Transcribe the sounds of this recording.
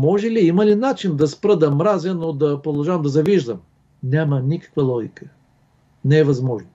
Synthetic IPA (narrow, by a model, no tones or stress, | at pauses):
mɔʒɛliimɐlinat͡ʃind̪ɐspɾɤd̪ɐmɾazɛnod̪ɐpɾod̪ɐʒavɐmd̪ɐzɐviʒd̪əm | nʲamənikɐ̥kvəlˠɔɡʲikə | nɛɛvɐzmɔʒno